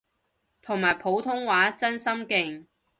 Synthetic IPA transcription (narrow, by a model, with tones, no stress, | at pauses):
t̪ʰʊ˨˩ŋmaː˨˩jpʰo˨˥wt̪ʰʊ˥ŋwaː˨˥t͡sɐ˥nsɐ˥mkɪ˨ŋ